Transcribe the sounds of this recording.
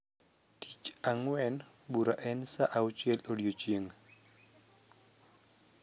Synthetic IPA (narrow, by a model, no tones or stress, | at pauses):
tʰi̥t͡ʃaŋwɛn | buɾaʔɛnsaʔawt͡ʃjɛlodjot͡ʃjeŋ